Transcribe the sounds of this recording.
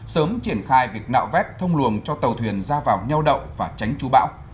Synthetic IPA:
səː˨˦mt͡ɕi˧˩ənxaː˧jvi˨˩ək̚na̰ː˧˨wvɛ˦˥t̚t̪ʰə˧wŋ͡mlu˨˩ənt͡ɕɔ˧t̪ə˨˩wt̪ʰwi˨˩ənzaː˧vaː˨˩wɲa˧wɗə̰˧˨wvaː˨˩t͡ɕa˨˦jŋ̟t͡ɕu˨˦ɓa̰ː˧˥w

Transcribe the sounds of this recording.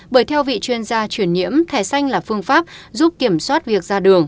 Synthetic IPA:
ɓəː˧˩jt̪ʰɛ˧wvḭ˧˨t͡ɕwi˧ənzaː˧t͡ɕwi˧˩ənɲḭ˧˥əmt̪ʰaː˨˩jsa˧jŋ̟laː˨˩fɨ˧əŋfaː˦˥p̚zu˦˥p̚ki˧˩əmswaː˦˥t̚vi˨˩ək̚zaː˧ɗɨ˨˩əŋ

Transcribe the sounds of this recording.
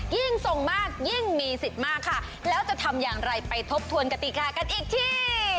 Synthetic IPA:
ji˥˩ŋso˨˩ŋmaː˥˩k̚ji˥˩ŋmiː˧si˨˩t̪̚maː˥˩kʰːa˥˩ | lɛː˦˥wt͡ɕa˨˩t̪ʰa˧mjaː˨˩ŋɾa˧jpa˧jt̪ʰo˦˥p̚t̪ʰu˧ənka˧t̪i˨˩kaː˧ka˧nʔiː˨˩k̚t̪ʰiː˥˩

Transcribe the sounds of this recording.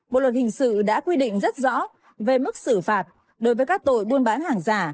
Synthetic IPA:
ɓo̰˧˨t̚lə˨˩hï˨˩ŋ̟sɨ̰˧˨ɗa̰ː˧˥kwi˧ɗḭ̈˧˨ŋ̟zə˦˥t̚zɔ̰˧˥ | ve˨˩mɨ˦˥k̚sɨ˧˩faː˨˩t̚ | ɗo˨˦jvəː˨˦jkaː˦˥k̚t̪o̰˧˨jɓu˧ənɓaː˨˦nhaː˨˩ŋzaː˨˩

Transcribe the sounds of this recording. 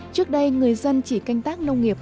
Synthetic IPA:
t͡ɕɨ˦˥ək̚ɗə˧jŋɨ˨˩əjzə˧nt͡ɕḭ˧˩ka˧jŋ̟t̪aː˦˥k̚nə˧wŋ͡mŋi˨˩ə

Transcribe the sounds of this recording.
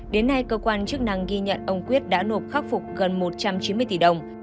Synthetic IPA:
ɗe˨˦nːa˧jkəː˧kwaː˧nt͡ɕɨ˦˥ək̚na˧˩ŋɣi˧ɲə̰˧˨nʔə˧wŋ͡mkwi˦˥ət̚ɗa̰ː˧˥no˨˩p̚xaː˦˥k̚fʊ˨˩k͡p̚ɣə˨˩nmo˨˩t̚t͡ɕa˧mt͡ɕi˨˦nmɨ˧əjt̪i˧˩ɗə˨˧˩wŋ͡m

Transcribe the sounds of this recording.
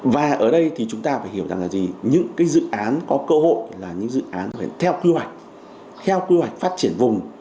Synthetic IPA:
vaː˨˩ʔəː˧˩ɗə˧jt̪ʰi˨˩t͡ɕʊ˨˦ŋ͡mt̪aː˧faː˧˩jhi˧˩əwza˨˩ŋlaː˨˩zi˨˩ɲɨ̰˧˥ŋkaː˨˦jzɨ̰˧˨ʔaː˨˦nkɔ˨˦kəː˧ho̰˧˨jlaː˨˩ɲɨ̰˧˥ŋzɨ̰˧˨ʔaː˨˦n˧˩ḛ˧˩˨nt̪ʰɛ˧wkwi˧hwa˨˩jk̟̚ | t̪ʰɛ˧wkwi˧hwa˨˩jk̟̚faː˦˥t̚t͡ɕi˧˩ənvʊ˨˩ŋ͡m

